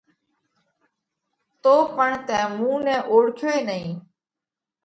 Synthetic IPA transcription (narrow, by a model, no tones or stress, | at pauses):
t̪oːpəɳt̪ɛ̃ːmũːnɛ̃ːʔoːɽkʰjoːeːnəĩː